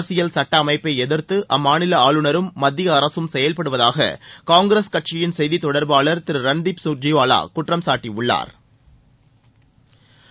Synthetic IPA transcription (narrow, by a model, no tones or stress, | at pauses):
sɪjɐlsɐʈːɐːmɐɪpːeɪɛðɪɾt̪ɯʔɐmːaːnɪlɐaːɭɯnɐɾɯmːɐd̪ːɪjɐːɾɐsɯmsɛjɐlpɐɽɯʋɐðaːɣɐ̰kaːŋɡɾeːskɐʈ̚t͡ʃɪjɪnsɛjðit̪ɔɽɐɾbaːɭɐɾt̪ɪɾɯɾɐnd̪ipsuːɾd͡ʒɪʋaːla̰ːkʊʈrɐmsaːʈːiʊɭːa̰ːɾ